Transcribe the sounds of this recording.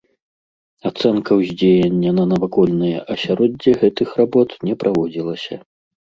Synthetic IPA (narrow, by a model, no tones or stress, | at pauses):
at̪sɛnkɐwzʲd͡zʲejɐnʲːɐnɐnɐvakɔlʲnɨjɛ̰ʔɐsʲaɾɔd͡zʲːɛɣɛt̪ɨxrabɔt̪nʲɛpɾavɔd͡zʲilˠɐsʲɐ̰